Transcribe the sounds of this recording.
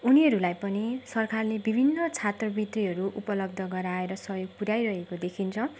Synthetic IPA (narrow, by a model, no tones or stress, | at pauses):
uniɦʌɾulajpʌnisʌrkarlebibʱinːʌt͡sʰat̪rʌbit̪riɦʌɾuʔupʌlʌb̚d̪ʱʌɡʌɾaeɾʌsʌɦjoɡ̚puɾjajɾʌɦekod̪ekʰint͡sʰʌ̃